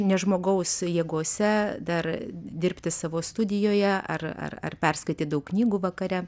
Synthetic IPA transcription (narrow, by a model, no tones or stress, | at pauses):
nʲɛʒmoːɡɐʊsjeːɡoːsʲɛd̪ɐrd̪ʲɪɾʲpʲt̪ʲɪsɑːʋoːst̪ʊd̪ʲɪjoːjɛɐ̰rɐ̰rɐ̰rpʲɛrskɐɪt̪ʲiːt̪̚d̪ɐʊkkːnʲiːɡuːʋɐkɐɾʲɛ